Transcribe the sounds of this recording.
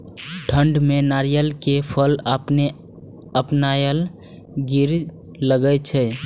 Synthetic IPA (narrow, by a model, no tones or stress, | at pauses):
ʈʰəɳɖmenaɾijəlkepʰələpne | əpnajəl | ɡiɾ | ləɡət͡ʃʰɛ